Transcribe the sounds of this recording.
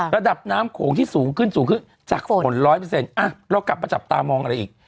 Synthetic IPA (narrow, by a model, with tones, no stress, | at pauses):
ɾa˧da˨˩p̚naː˦˥mkʰoː˩˦ŋt̪ʰiː˥˩suː˩˦ŋkʰɯ˥˩nsuː˩˦ŋkʰɯ˥˩n | t͡ɕa̰ː˨˩k̚o˨˩˦nɾɔː˦˥jp̬ɤː˧se˧nʔa˧˩ɾɔ˦˧˥kla˨˩p̚ːa˧t͡ɕa˨˩p̚t̪aː˧mɔː˧ŋʔa˧ɾa˧jʔiː˨˩k̚